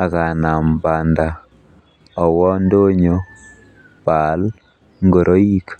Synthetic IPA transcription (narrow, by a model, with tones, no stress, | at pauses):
a˨ka˨na˨mba˨nda˨ | ɔ˨wɔ˦ndo˦ɲo˦ | pa˨˦l | ŋɡo˨ɾʔo˦i˦k